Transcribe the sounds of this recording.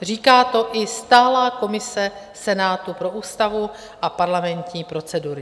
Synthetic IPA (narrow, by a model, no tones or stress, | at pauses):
r̝iːkaːt̪o̞ʔɪst̪aːlaːko̞mɪsɛ | sɛnaːt̪upɾo̞ʔuːst̪avu | ʔapaɾlamɛnt̪ɲiːpɾo̞t͡sɛduɾɪ